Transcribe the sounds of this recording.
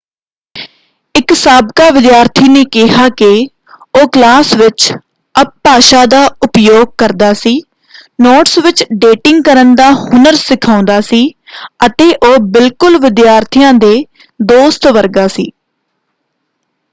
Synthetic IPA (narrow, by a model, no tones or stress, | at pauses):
ɪksaːbkaːʋɪd̪jaːɾt̪ʰiːneːkɪɦaːkɪ | oːklaːsʋɪt͡ʃ | əp̚paːʃaːd̪aːʊpjoːɡ̚kəɾd̪aːsiː | noːʈsʋɪt͡ʃɖeːʈɪ̃ŋɡ̚kəɾənd̪aːhʊnəɾsɪkʰaːʊ̃nd̪aːsiːət̪eːʔoːbɪlkʊlʋɪd̪jaːɾt̪ʰijãːd̪eː | d̪oːst̪ʋəɾɡaːsiː